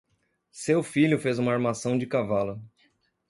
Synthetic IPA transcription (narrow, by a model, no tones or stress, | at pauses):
sewfiʎʊfezũmɐaɾmasɐ̃w̃d͡ʒɪkavalʊ